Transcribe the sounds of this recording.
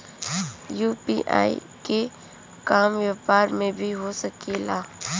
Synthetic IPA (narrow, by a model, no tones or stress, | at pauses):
juːpiːʔa̰ːḭ | ke | kaːmʋaːpaːɾmẽbʱiɦosɐkeːlaː